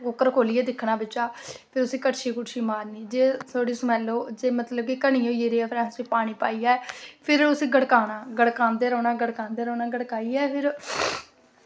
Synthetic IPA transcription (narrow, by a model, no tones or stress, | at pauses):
okəɾkʰoːliːɛːd̪ɪkʰːɽaːbɪt͡ʃːaːpʰɪɾʊsĩːkəʈʃiːkʊʈʃiːmaːɾniːd͡ʒeːt̪ʰoːɽiːsəmɛːloːd͡ʒeːmət̪ləb̚kikəɳ̃ĩːoːijeːɾeːɛːpʰɾɛ̃ːnsiːpaːɽ̃iːpaːiːaːpʰɪɾʊsĩːɡəɽkaːnaːɡəɽkãːnd̪eːɾɔ̃ːnaːɡəɽkãːnd̪eːɾɔːnaːɡəɽkaːiːɛːpʰɪɾ